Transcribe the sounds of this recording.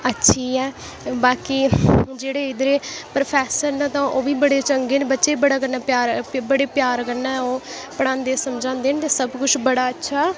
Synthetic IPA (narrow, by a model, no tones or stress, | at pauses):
ətːʃʰiːɛː | baːkiːd͡ʒeːɽeːɪd̪ɾeːpɾəpʰɛːsəɾnãːt̪ãːʔoːbiːbəɽeːt͡ʃəŋɡeːneːbətːʃeːiːbəɽaːkəɾnaːpjaːɾbəɽeːpjaːɾkəɾnaːoː | pəɽ̃ãːnd̪eːsəmd͡ʒãːnd̪eːnt̪eːsəbkʊt͡ʃʰbəɽaːətːʃʰaː